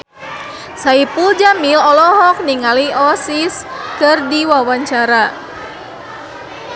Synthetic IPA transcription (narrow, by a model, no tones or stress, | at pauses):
saipuld͡ʒamilɔlɔɦɔk̚niŋaliɔsiskərdiwawaɲt͡ʃaɾa